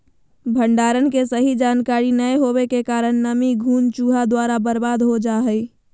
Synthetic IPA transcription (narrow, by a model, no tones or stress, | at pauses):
bʱəɳɖaːɾənkesəɦid͡ʒaːnkaɾinəjɦobekekaːɾənnəmiɡʱuːnt͡ʃuɦad̪waɾabəɾbad̪ɦod͡ʒaɦəj